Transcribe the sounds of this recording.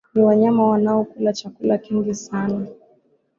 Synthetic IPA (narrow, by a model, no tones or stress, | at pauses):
niwaɲamawanaɔkulat͡ʃakulakiŋɡisana